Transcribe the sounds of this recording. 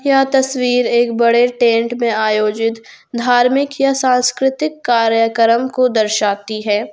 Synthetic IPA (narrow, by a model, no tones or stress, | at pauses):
jat̪ɐswiːɾeːkbɐɽeʈẽːɳʈmẽaːjoːd͡ʒɪt̪ | d̪ʱaːɾmɪkjasãːnskɾɪt̪ɪkːaːɾjəkəɾəmkod̪ɐɾʃaːt̪iɦɛː